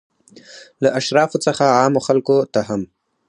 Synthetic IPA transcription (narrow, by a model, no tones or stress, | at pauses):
laʔaʃɾɑfot͡səxaɑmoxalkot̪aɦam